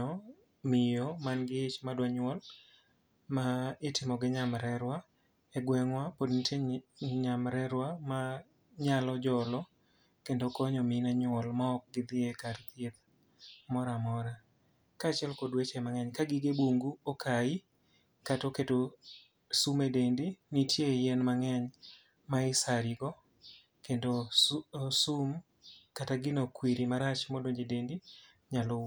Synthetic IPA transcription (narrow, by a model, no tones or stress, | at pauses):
ɔ | mɪjɔmanɡɪt͡ʃmadwaɲʊɔl | maɪtɪmɔɡɪɲamɾɛɾwa | ɛɡwɛŋwapodniteɲamɾɛɾwama | ɲalɔd͡ʒɔlɔ | kendokɔɲɔmɪnaɲʊɔlmaːk̚ɡɪd̪ɪekart̪et̪̚ | mɔɾamɔɾa | kaːt͡ʃɛlkodwet͡ʃɛmaŋɛɲkaɡɪɡeboŋɡuokʰai | katoketo | sumedendinitjejɛnmaŋɛɲ | maɪsaɾɪɡɔ | kendo | sum | kataɡɪnokwiɾimaɾat͡ʃmodoɲd͡ʒedendi | ɲalɔ